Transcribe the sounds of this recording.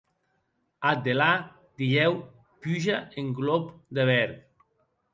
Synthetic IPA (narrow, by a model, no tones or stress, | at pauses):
ad̪ela | d̪̥iʎɛw | pyʒaeŋɡlɔpd̪eβɛɾt